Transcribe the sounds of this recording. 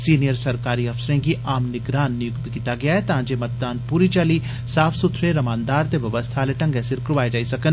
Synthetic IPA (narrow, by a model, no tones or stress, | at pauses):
siːnijəɾsɐɾkaːɾiɐfsəɾẽkiʔaːmnɪɡɾaːnːɪjʊkt̪kiːt̪aɡɐjaɦɛt̪ãːd͡ʒemɐt̪̚d̪aːnpuːɾit͡ʃaːli | saːfʰsʊt̪ʰɾeɾɐmaːnd̪aːɾt̪eʋɐʋəst̪ʰaleʈɐ̃ŋɡesɪɾkɾʋaːed͡ʒaːisɐkən